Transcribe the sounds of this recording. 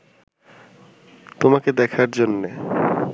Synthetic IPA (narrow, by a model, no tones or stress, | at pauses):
t̪omaked̪ɛkʰaɾd͡ʑonːe